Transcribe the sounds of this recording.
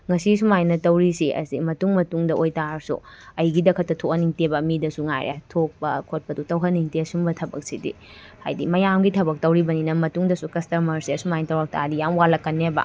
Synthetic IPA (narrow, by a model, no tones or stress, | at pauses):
ŋɐsisumajnɐtɐwɾisiʔɐ̰sḭmɐtuŋmɐtuŋdɐʔojtaɾsṵɐjɡidɐkʰɐtːɐtʰokɐniŋtebɐmidɐsuŋa̰jɾa̰tʰok̚pɐkʰot̚pɐdutɐwɦɐniŋtesumbɐtʰɐbɐ̰k̚sidḭ | ha̰jdḭmɐjamɡitʰɐbɐk̚tɐwɾibɐninɐmɐtuŋdɐsukɐstɐmɐɾsisumajnɐtɐwɾɐk̚tʰa̰dijamwalɐkːɐnːebɐ̰